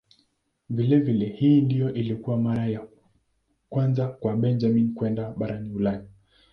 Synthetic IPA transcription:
vilɛvilɛhiːndijɔʔilikuwamaɾaja | kwanzakwaɓɛnd͡ʒaminkwɛndaɓaɾaniulani

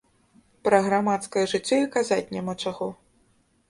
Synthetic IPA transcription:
pɾɐɣɾamat̪skɐjɐʐɨt͡sʲːɔikazat͡sʲnʲamat͡ʂaɣɔ

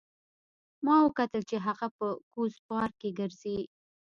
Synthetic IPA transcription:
mɑwəkat̪əlt͡ʃeɦaɣapəkuspɑɾkeɡəɾz̥i

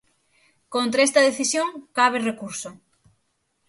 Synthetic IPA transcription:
kõnt̪ɾaest̪ɐðeθisjoŋkaβ̞erekuɾso

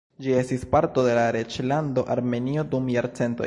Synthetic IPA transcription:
d͡ʒie̞st̪ispaɾt̪o̞d̪e̞laɾet͡ʃland̪oʔaɾme̞niod̪umjaɾt͡se̞nt̪o̰

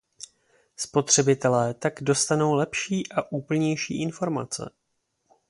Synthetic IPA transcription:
spo̞t̪r̝̥ɛbɪt̪ɛlɛːt̪aɡdo̞st̪ano̞wlɛpʃiːʔaʔuːpl̩ɲɛjʃḭːʔɪnfo̞ɾma̰t͡sɛ̰

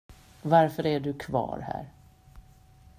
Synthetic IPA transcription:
vaɾfœɾæɖɵkʰvɑ̰ːɾhæ̰ːɾ

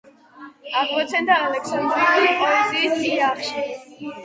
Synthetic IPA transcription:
aɡmɔt̪sʰɛnd̪aːlɛksand̪ɾit̪ʰulipʼɔɛsiːsiaχʃi

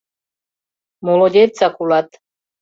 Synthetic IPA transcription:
molod̪ʲet̪t͡sakulat̪

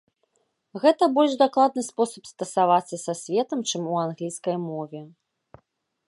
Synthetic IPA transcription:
ɣɛt̪ɐbɔlʲʐd̪aklˠad̪̚nɨspɔsɐpst̪ɐsavat̪sːɐsasʲvʲɛt̪ɐmt͡ʂɨmuanɣlʲiskɐjmɔvʲɛ

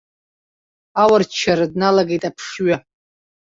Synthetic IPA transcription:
awart͡ʃʰaɾadnalaɡejtʼapʰʂɥa

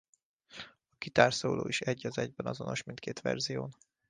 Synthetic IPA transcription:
ɒkit̪aːrsoːloːiʃɛɟːɒzɛɟbɛnɒzo̞noʃmint̪̚keːt̪ʋɛ̰rzijoːn

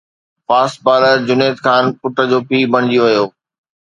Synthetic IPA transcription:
faːsʈ̚baːləɾd͡ʑʊneːt̪kʰaːnpʊʈə̆d͡ʑoːpiːbɐɽ̃ɪd͡ʑioʋɐjoː

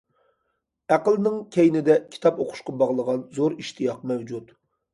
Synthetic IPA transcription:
æqəlˠnɪŋkʲʰejnɪd̪ɛkʲʰi̥t̪ʰɑpoqʰʊ̥ʃqɑbɑʁlˠəʁɑnzoɾiʃt̪ʰɨjɑq̚mɛwd͡ʒut̪

